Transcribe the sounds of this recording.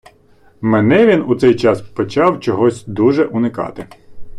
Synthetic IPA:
menɛʋʲinut̪sɛjt͡ʃɑspɔt͡ʃɑwt͡ʃɔɦɔsʲd̪uʒɛʔʊnɪkɑ̰t̪ɪ

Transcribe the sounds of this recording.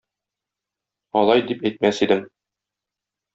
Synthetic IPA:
ɒlˠɑjd̪ipæjt̪̚mæsid̪ɘm

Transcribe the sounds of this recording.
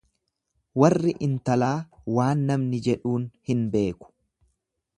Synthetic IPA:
wɐrːɪʔɪnt̪ɐlaːwaːnːɐmnɪd͡ʒɛᶑuːnhɪnbe̞ːkʊ̥

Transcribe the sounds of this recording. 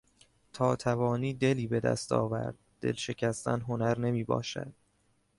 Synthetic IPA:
t̪ʰɒːt̪ʰævɒːniːd̪e̞liːbe̞d̪æ̰st̪ʰɒ̰ːvæ̰ɾd̪̥̚ːe̞̰lʃe̞cʰæst̪æ̰nɦonæɾne̞miːbɒ̰ːʃæ̰d̪̥̚

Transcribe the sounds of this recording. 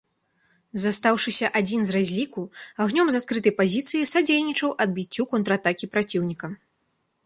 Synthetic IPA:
zast̪awʂɨsʲɐʔad͡zʲinzrazʲlʲikuaɣnʲɔmzat̪̚kɾɨt̪ɐjpazʲit̪sɨjisad͡zʲejnʲit͡ʂɐwʔɐd̪̚bʲit͡sʲːukɔnt̪ɾat̪akʲipɾat͡sʲiwnʲikɐ

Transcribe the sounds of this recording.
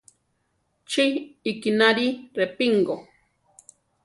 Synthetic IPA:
t͡ʃiikinaɾirepiŋɡo

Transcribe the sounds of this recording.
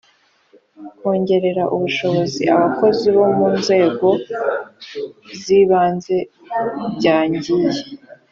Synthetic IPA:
ho̞ːɲɟe̞ɾe̞ɾaʔuβuʃo̞βo̞ziʔaβako̞ziβo̞muːnze̞ːɡo̞ | ziβaːnze̞ | bɟaːɲɟije

